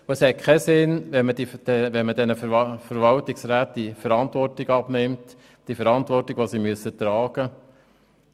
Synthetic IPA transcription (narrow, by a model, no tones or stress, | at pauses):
uəshɛt̚kʰɛsɪnʋɛnmədid̥ɛʋɛnmədɛnəffəɾʋɑltɪksɾæːt̚d̥ifəɾɑntʋɔrtɪɡɑb̥nɪmt | d̥ifəɾɑnt̪ʋɔrtɪɡ̥ʋosimyəsːət̪ɾɑːɡ̥ə